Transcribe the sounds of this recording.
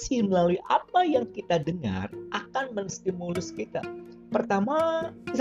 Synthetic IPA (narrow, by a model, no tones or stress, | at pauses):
siməlaluiʔapajaŋkit̪adəŋa̰rʔakanmənst̪imulʊskit̪a̰ | pərt̪ama